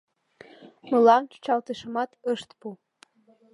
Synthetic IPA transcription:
mə̆lɑnt͡ɕu̥t͡ɕɑlt̪əʃə̆mɑt̪əʃt̪pu

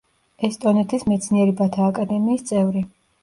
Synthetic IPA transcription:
ɛst̪ʼɔnɛt̪ʰismɛt̪sʰniɛɾibat̪ʰaːkʼad̪ɛmiːst̪sʼɛvɾi

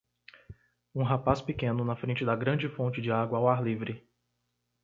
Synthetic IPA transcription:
ũɦapaspɪkẽnʊnɐfɾẽnt͡ʃɪd̪ɐɡɾɐ̃d͡ʒɪfõnt͡ʃɪd͡ʒɪaɡwɐːwaɾlivɾɪ

